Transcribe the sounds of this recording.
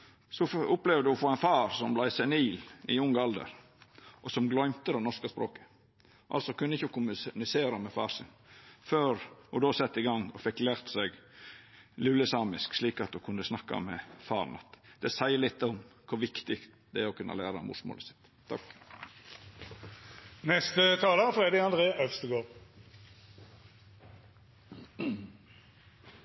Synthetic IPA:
sɔfʊplɛʋd̪ʉɔfoːæɪnfɑːɾsɔmblæɪsɛniːlɪ̰ʊŋːɑld̪ə̰ɾ | ʔɔsɔmɡlɔʏmt̪əd̪ɛnɔʂkɑspɾoːkə̥ | ʔɑ̰lsɔkʉnːəɪçːəkʰʊmʉnɪseːɾɑmɛfɑ̰ːɾsɪ̰n | føːɾɔd̪oːsɛt̪ːɪɡɑŋːɔfɛkːlæːɾt̪sɛɡ | lʉləsɑːmɪsksliːkɑt̪̚d̪ʉkʰʉnd̪əsnɑkːɑ̰mɛfɑ̰ːɾnɑt̪d̪̥ɛsæɪlɪt̪ːɔmkʰʊɾʋɪkt̪ɪkt̪d̪ɛɔkʰʉnːɑ̰læːɾɑɔ̰mʊ̰smo̰ːləsɪ̥t̪ʰːɑ̰k | nɛst̪ət̪ʰɑːləfʁeːd̪eɑnd̪ʁeːʔœʋst̪əɡoːʁ

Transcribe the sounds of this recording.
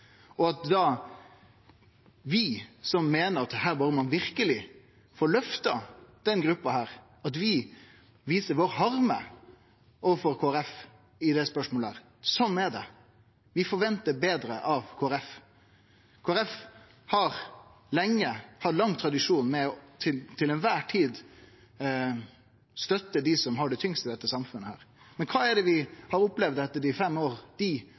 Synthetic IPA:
ɔɑt̪d̪ɑ | ʋɪsɔmːeːnəɾɑt̪̚d̪ɛɦæːɾbɑɾəmɑnʋɪɾkəlɪ | foːɾlœft̪ɑd̪̥ɛnɡɾʉpːɑhæːɾ | ɑt̪ʋɪ | ʋiːsəɾʋoːɾhɑɾmə̰ | oːʋəfɔɾkʰoːæɾɛf | ɪd̪ɛspœʂmoːləhæːɾ | sɔnːɛɖɛ̰ | ʋɪfɔɾʋɛnt̪əbeːd̪ɾəʔɑʋkʰoːæɾɛf | kʰoːæɾɛf | hɑɾ | lɛŋːəhɑt̪lɑŋːt̪ʰɾɑd̪ɪʂuːnmɛɔt̪ʰɪlt̪ʰɪlɛnʋæːʈʰiːd̪ | st̪œt̪ːəd̪ɪsɔmɦɑɖɛt̪ʰʏŋst̪ɪd̪ɛt̪ːəsɑmfʉnːəhæ̰ːɾ | mɛnkʰɑːæɖɛʋɪhɑɾʊplɛʋd̪ɛt̪ːəɖɪfɛmːoːɾt̪iː

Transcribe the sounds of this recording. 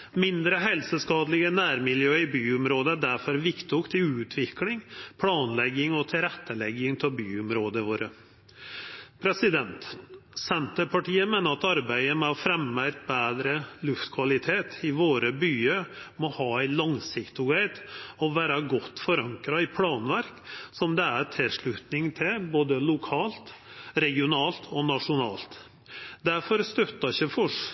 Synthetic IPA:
mɪnd̪ɾəɦɛlsəskɑːd̪lɪɡənæːɾmɪljøːɪbyːʊmɾoːd̪əd̪æɾfɔɾʋɪkt̪ʊkt̪ɪʉːt̪ʰʋɪklɪŋpʰlɑːnlɛɡɪŋɔt̪ʰɪɾɛt̪ːəlɛɡɪŋt̪ʰɪlbyːʊmɾoːd̪əʋoːɾə | pʰɾɛsɪd̪ɛnt̪sɛnt̪əpʰɑʈiːəmeːnəɾɑt̪ɑɾbæɪəmɛɔfɾɛmːææt̪̚beːd̪ɾəlʉft̪kʰʋɑlɪt̪ʰeːt̪ʰɪʋoːɾəbyːəɾmɔhɑːæɪlɑŋsɪkt̪ʊɡæɪd̪ɔʋæːɾɑɡɔt̪ːfɔɾɑŋkɾɑɪpʰlɑːnʋæɾksɔmd̪ɛæɾt̪ʰɪlʂɭʉt̪nɪŋt̪ʰɪlboːd̪əlʊkʰɑːlt̪ɾɛɡɪʊnɑːlt̪ʰɔnɑʂʊnɑːlt̪ | d̪æɾfɔɾst̪œt̪ːɑɪçəfɔʂ

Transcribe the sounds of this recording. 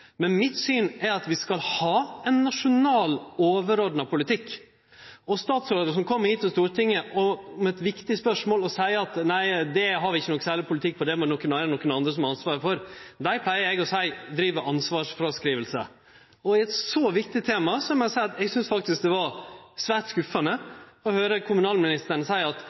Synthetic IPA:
mɛnmɪt̪syːnæɾɑt̪ʋɪskɑlhɑːɛnːɑʂʊnɑːloːʋəɾoːd̪nɑpʊlɪt̪ʰɪkː | ɔst̪ɑːt̪sɾoːd̪əʂɔmkʰɔmːəɾhiːt̪ɔst̪uːɾʈʰɪŋːəʔɔmɛt̪ʋɪkt̪ɪspœʂmoːlɔsæɪɑt̪næɪd̪ɛɦɑɾɪçːənɔkːn̩sæːlɪɾpʰʊlt̪ɪk̚ːpʰɔd̪ɛmnɔkːənæːɾənɔkːənɑnd̪ɾəsɔmɑɾɑnsʋɑːɾfɔɾd̪æɪpʰlæɪəɾɛɡɔsæɪd̪ɾiːʋəʔɑnsʋɑːʂfɾɑskɾiːʋəlsə̰ | ɔɪɛt̪sɔʋɪkt̪ɪt̪ʰeːmɑsɔɑmɛsæɪɑt̪ɛɡsʏnsfɑk̚t̪ɪsk̚d̪ɛʋɑɾsʋæːʈskʉfɑnəɔhøːɾəkʰʊmʉnɑːlmɪnɪst̪əɳəsæɪɑt̪

